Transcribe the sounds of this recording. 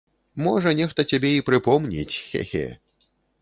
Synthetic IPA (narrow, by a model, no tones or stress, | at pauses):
mɔʐɐnʲɛxt̪ɐt͡sʲabʲɛipɾɨpɔmnʲḭt͡sʲxɛ̰xʲɛ̰